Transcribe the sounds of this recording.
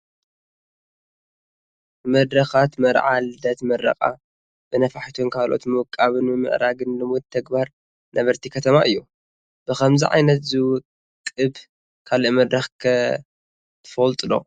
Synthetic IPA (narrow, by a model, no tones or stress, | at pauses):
mɐd̪ɾɐxat̪mɐɾʕalɨd̪ɐt̪mɐɾɐ̰qʼa̰ | bɨnɐfaħit̪ʰonkʰalʔo̰t̪mɨwɨkʼːaβɨnɨmɨ̰ʔɾaɡɨnlɨmɔt̪ʰːɐɡbaɾ | nʔɐβɐɾt̪ʰikʰɐt̪ʰɐmaʔɨjːu | b̥ɨxɐmziʕa̰jnɐt̪zɨwʊkʼː | ɨb | kʰaloʔmɐd̪ɾɐxkʰɐ | t̪ʰɨ̥fɐlt̪ʼɨlo̰